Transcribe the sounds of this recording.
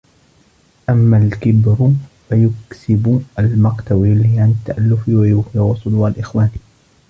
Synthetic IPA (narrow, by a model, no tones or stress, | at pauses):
ʔamːalkɪbɾʊfajʊksɪbʊalmɑqt̪awilːɪʕanɪt̪ːaʔalːʊfɪwajʊfʕɑsˤːʊd̪uːalʔɪxwaːn